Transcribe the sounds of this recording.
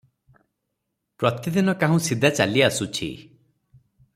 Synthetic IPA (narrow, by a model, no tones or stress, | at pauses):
pɾɔt̪id̪inɔkaɦũsid̪ʱat͡ʃa̰liasut͡ʃʰḭ